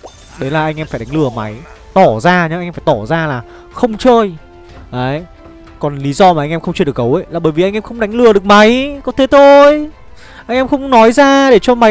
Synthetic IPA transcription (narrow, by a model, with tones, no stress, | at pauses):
ɗə˨˦laː˨˩ʔa˧jŋ̟ʔɛ˧mfaː˧˩jɗa˨˦ŋlɨ˨˩əma̰˨˦j | t̪ɔ˧˩zaː˧ɲə˨˦˧ɲ˧faː˧˩t̪ɔ˧˩zaː˧laː˨˩ | xə˧wŋ͡mt͡ɕəː˧j | ʔəː˨˦j | kɔ˨˩nli˨˦zɔ˧maː˨˩ʔa˧jŋ̟ʔɛ˧mxə˧wŋ͡mt͡ɕəː˧˩ɗə˩kːə˨˦wʔə˨˧˦jlaː˨˩ɓəː˧˩jvi˨˩ʔa˧jŋ̟ʔɛ˧mxə˧wŋ͡mɗa˨˦jŋ̟lɨ˨˩əɗɨ˨˩ək̚ma˨˦jkɔ˨˦t̪ʰe˨˦t̪ʰo˧j | ʔa˧jŋ̟ʔɛ˧mxə˧wŋ͡mnɔ˨˦jzaː˧ɗe˧˩t͡ɕɔ˧ma˨˦